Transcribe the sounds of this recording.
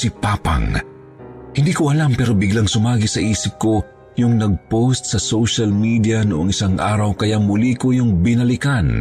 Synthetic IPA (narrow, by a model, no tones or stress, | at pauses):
sipaːpa̰ŋ | hɪnd̪iːkoʔɐlampɛːɾo̞bɪɡlaŋsʊmaːɡɪsɐʔiːsɪp̚ko̞ | jʊŋnɐɡ̚post̪̚sɐsowʃɐlmiːd̪iɐnʊʔoŋɪsaŋʔaːɾɐwkɐjamʊlikojʊŋbɪnɐlɪkan